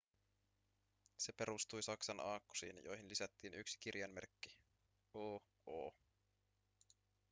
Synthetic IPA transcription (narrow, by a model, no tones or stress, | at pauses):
se̞pe̞ɾust̪ujsɑksɑnʔɑːkːu̥sḭːnjo̰jɦinlisæt̪ːiːnyksi̥kirjɑnmerkːi | oː | oː